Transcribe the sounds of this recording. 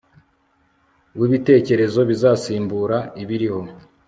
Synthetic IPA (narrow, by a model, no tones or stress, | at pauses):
wiβite̞ːce̞ɾe̞zo̞βizaːsiːmbuɾaiβiɾiho̞